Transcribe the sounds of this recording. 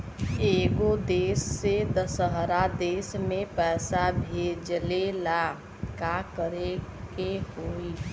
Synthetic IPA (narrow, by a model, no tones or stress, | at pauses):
eːɡod̪eːsːed̪əsəɦɾad̪eːsmẽpɛːsabʱeːd͡ʒlela | kakəɾekeɦoːi